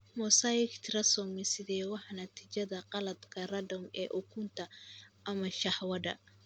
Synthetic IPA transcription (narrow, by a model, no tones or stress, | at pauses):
mɔːsajɪkt̪ʰɾɐsɔmɪsɪðɛwɑħɑnɐt̪ʰiːt͡ʃɐðɐqɑlɐd̪kʰɐrɐd̪ɔmɛ̰ːʔʊkʰʊnt̪ʰɐʔɐmɐʃɑħwɐdɐ̰